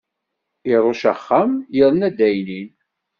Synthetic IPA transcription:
iɾˤoʃəχːamjəðˤnæd̪æjnin

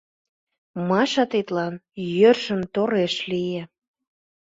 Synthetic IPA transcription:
mɑʃɑt̪et̪lɑnjørʃə̆mt̪oɾeʃlijĕ

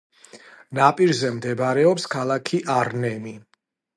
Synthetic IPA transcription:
napʼiɾzɛmd̪ɛbaɾɛɔpskʰalˠakʰiʔaɾnɛmi

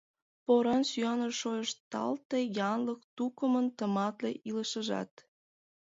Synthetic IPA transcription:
poɾɑnsyɑnəʃojəʃt̪ɑ̰lt̪ejɑnlək̚t̪ukəmənt̪əmɑt̪lḛʔiləʃəʒɑ̰t̪

